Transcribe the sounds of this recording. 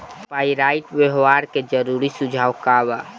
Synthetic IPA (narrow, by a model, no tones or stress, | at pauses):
paːiɾaɪʈbjəɦwaːɾked͡ʒəɾuɾisʊd͡ʒʱaːʋkawa